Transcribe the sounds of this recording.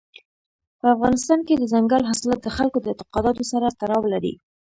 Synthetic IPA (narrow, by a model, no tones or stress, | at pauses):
pəafɣɑnɪst̪ɑnked̪əzaŋɡalɦaslat̪̚d̪əxalkod̪əɪnt̪ɪqɑd̪ɑt̪osaɾat̪aɾɑwlaɾḭ